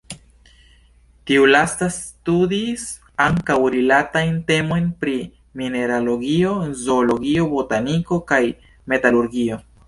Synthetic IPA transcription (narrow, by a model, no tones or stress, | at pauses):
tiulastastudis | aŋkawɾilatajnte̞mo̞jnpɾi | mine̞ɾalo̞ɡio̞zoːlo̞ɡio̞botaniko̞kaj | me̞taluɾɡio̞